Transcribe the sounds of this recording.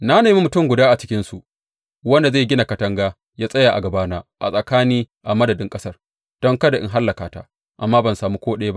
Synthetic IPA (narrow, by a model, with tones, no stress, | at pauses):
na˦neː˨mi˦mʊ˨tʊ˦mɡʷʊ˨daː˦ʔa˨t͡ʃɪ̥˦kʲɪ˦nsu˨ʔ | wɐ˦nda˨zeː˦˨ɡʲɪ˦na˨kɐ˨tɐ˦ŋɡaː˦ | jaː˦sʼɐ˦jaː˨ʔa̰˨ɡɐ˨baː˦naː˦ʔa̰˨sʼɐ˨kaː˦niː˦ | ʔa˨mɐ˦dɐ˨dɪ˦ŋkʼɐ˦sɐ˦r | d̥ɔ˦ŋkɐ˦da˨ʔɪ̰˦ŋɦa˦lːɐ˨kaː˨ta̰ː˦ | ʔa̰˨mːaː˦bɐ˨nsaː˨muː˦kʷoː˦ɗɐ˦ja˦ba˦